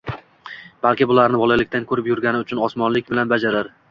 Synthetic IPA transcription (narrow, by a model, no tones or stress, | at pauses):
b̥alˠkʲɪbʊlaɾnɪbɒlˠalɪkʲt̪ankʰɵɾɪpjʊɾɡʲanɪʊt͡ʃʰʊnɒsmɒnlɪkʲbɪlanbad͡ʒaɾaɾ